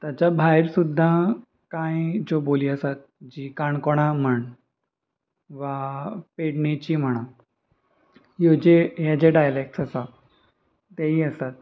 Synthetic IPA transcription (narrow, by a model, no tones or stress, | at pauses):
t̪jat͡ɕabʱajɾsud̪ʱːa | kãjd͡zoboliːəsat̪̚d͡ʑiːkaɳkoɽ̃am̤əɳ | ʋapeɽnet͡ɕiːm̤əɽ̃ã | ɦjod͡ʑejad͡ʑeɖajlek̚ʈsəsa | t̪aɦiːəst̪at̪̚